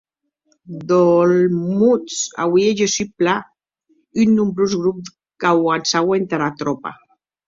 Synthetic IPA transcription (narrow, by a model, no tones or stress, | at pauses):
d̪olmut͡sa̰wieʒesypla | ynːumbɾuzɣɾup̚d | kawansawent̪aɾat̪ɾopa̰